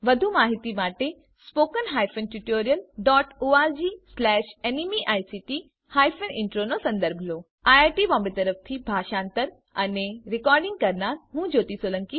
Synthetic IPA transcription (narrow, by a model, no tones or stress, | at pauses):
ʋɐd̪ʱumaːɦit̪imaːʈe | spoːkənɦaːjfənʈuʈoːɾijəlɖɔːʈoaːld͡ʑiːslɛːʃenimiʔaːjsiːʈi | haːjfənɪ̃ɳʈɾonosɐ̃nd̪əɾbʱlo | aːjaːʈibɔːmbit̪ɐɾəft̪ʰibʱaːʃãːnt̪əɾ | ɐneɾɪkɔːɾɖɪ̃ŋɡ̚kɐɾnaːɾɦũːd͡ʑoːt̪isoːlə̃ŋki